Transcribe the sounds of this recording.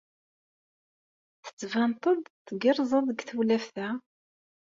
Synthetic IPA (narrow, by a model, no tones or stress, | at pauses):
θə̥t͡sːvænt̪ˤəðˤt̪ːɡɪɾˤzˤɑðˤəɡθəwlæfθæ